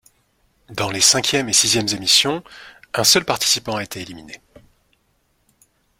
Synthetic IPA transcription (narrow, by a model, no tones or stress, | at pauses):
d̪ɑ̃lesɛ̃kʲjɛmesizjɛmzemisjɔ̃ɛ̃sœlpaʁt̪i̥sipɑ̃aet̪ʰeːlimine